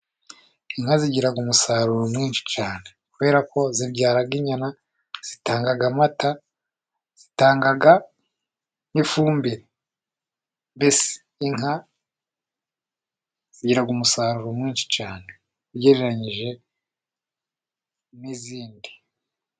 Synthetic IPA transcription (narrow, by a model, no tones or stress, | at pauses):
iŋ̥haziɟiɾaɡumusaɾuɾomŋiːnʃi̥caːnekuβe̞ːɾako̞zibɟaːɾaɡiɲana | z̥itaːŋɡaɡamata | z̥itaːŋɡaɡa | nifuːmbiɾe | bese̥ː | ŋa | z̥iɟiɾaɡumusaːɾuɾomŋiːnʃi̥t͡ʃaːne̞ | iɾɟeɾeɾaɲiʒe̞ | niziːndi